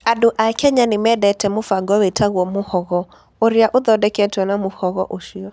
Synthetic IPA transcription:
adoʔakɛɲanemɛdɛtɛmofaɡɔwɛtʰaɣwɔmohɔɣɔ | oɾjaʔoðɔdɛkɛtwɛnamohɔɣɔʔoʃiɔ

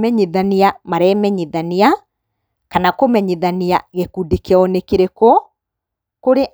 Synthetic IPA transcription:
mɛɲeðaniamaɾɛmɛɲeðania | kanakomɛɲeðaniaɣekudekeɔnekeɾeko | koɾeʔ

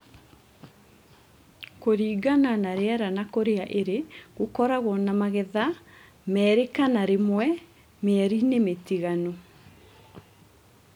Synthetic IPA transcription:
koɾiːɡananaɾeɛɾanakoɾeaʔeɾeɣokɔɾaɣɔnamaɣɛða | mɛːɾekanaɾemwɛ | meɛɾinemetiɣano

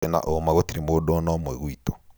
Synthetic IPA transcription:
ena̰ʔomaɣotiɾemoːdɔnɔmwɛɣwitɔ̥

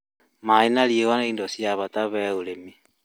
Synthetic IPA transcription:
mainaljewanaindosjaβataβɛolemi

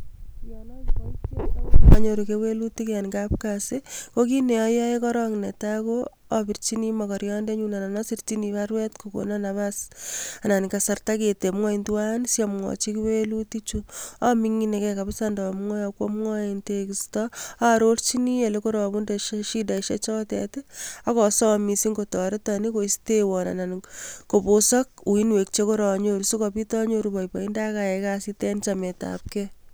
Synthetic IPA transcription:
jɔnɔkatamaɲoɾukewelutikjankapkasekokineɔjaekɔɾɔŋnetako | abiɾt͡ʃinimɔkɔɾjɔndeɲunananɔsirtiniβaɾwɛtkoko̰nanaβasananikasartaketemŋɔintuwansjamŋɔ̰t͡ʃikiwelutit͡ʃuamiŋinekɛkapɪsandɔmŋɔjakwomŋɔintekistɔaɾoɾt͡ʃinielekoɾɔbundeʃeʃidaʃet͡ʃɔtɛ̰teakɔsɔmisiŋɡotɔɾetɔnikoistewɔna̰nankoposɔkuinwek̚t͡ʃekoɾɔɲoɾusukɔpitɔɲoɾubajpaindakaɛkasitɛnt͡ʃameta̰p̚ke

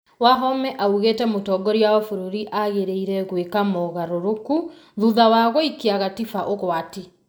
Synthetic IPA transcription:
waɦɔmɛʔauɣeːtɛmotɔːɡɔɾjaɔfoɾoɾiʔaɣeɾeiɾɛɣwekamɔɣaɾoɾoku | ðuðawaɣɔikeaɣatifaʔoɣwati

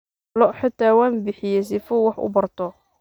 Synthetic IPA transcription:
lɔʔħɪt̪ʰːaːwaːmbɪħɪjɛs̬ɪfʊwɑħʊ̰bɐrt̪ʰɔ

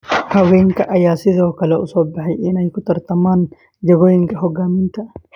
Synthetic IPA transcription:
hɐweːŋkɐʔɐjaːsɪzɐkɐlɐʔʊ̰sobːɐɦɐjʔiːnɐjkʊt̪ɐɾt̪ɐmaːn | d͡ʒɐɡɔjɪŋkɐɦɔɡaːmɪnt̪ɐʔɐ̥

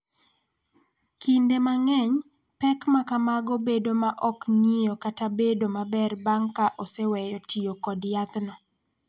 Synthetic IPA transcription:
kindemaŋɛɲ | pɛkmakamaɡobedomaʔɔkɲijɔkatabedomabɛrbaŋkaʔosewɛjɔtʰijokɔdjat̪nɔ

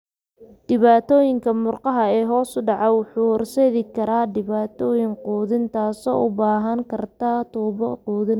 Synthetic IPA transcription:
ɖ̥ɪβaːt̪ʰɔːjɪŋkʰɐmʊrqɑɦɐɛːɦɔːsʊɖɑʕɑwʊħuːhɔrsɛðɪkʰɐɾaːɖɪβaːt̪ʰɔːjɪŋquːðɪnt̪ʰaːsɔ̰ːʊbaːɦɐŋkʰɐrt̪ʰat̪ʰuːβɔquːðɪn

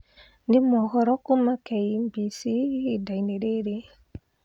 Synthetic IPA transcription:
ndemɔkɔɾɔkumakɛimbisidaineɾeɾe

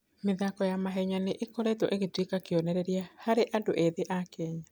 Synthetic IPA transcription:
meðakɔjamaɦɛɲaneʔekoɾetɔʔeɣetwikakeɔnɛɾɛɾiahaɾeʔandoʔeðeʔakɛːɲa

